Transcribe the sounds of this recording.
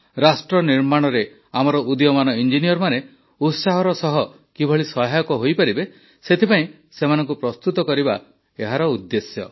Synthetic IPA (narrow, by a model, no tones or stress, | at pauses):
ɾasʈɾɔniɾmaɽ̃ɔɾe | amɔɾɔʔud̪jɔmanɔind͡ʒinijɔɾmane | ut̪saɦɔɾɔsɔɦɔ | kibʱɔɭisɔɦajɔkɔɦojpaɾibe | set̪ʰipaĩ | semanɔ̃ŋkupɾɔst̪ut̪ɔkɔɾiba | eɦaɾɔud̪ːesjɔ̰